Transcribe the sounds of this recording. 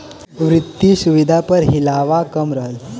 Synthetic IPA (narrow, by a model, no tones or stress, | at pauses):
ʋɾit̪ːisuʋid̪ʱapəɾɦilaʋakəmɾəɦəl